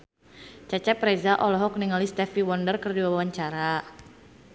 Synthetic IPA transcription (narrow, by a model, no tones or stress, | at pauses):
t͡ʃat͡ʃapɾezaʔɔlɔɦɔk̚niŋalist̪ɛfiwɔndərkərdiwawaɲt͡ʃaɾa